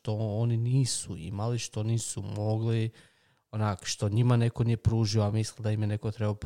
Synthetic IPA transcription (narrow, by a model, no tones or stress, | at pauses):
t̪o̞oniniːsuḭmaliʃt̪o̞niːsumo̞ɡli | onaːkʃt̪o̞ɲimane̞ko̞nijepɾuːʒioamislˠild̪aimjene̞kot̪ɾebap